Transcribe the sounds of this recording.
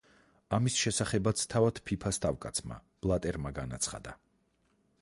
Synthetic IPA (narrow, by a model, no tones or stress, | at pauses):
amisʃɛsaχɛbat̪sʰt̪ʰavad̪̥pʰipʰast̪ʰʼavkʼat̪sʰma̰ | b̥lˠat̪ʼɛɾmaɡanat̪sʰχa̰d̪a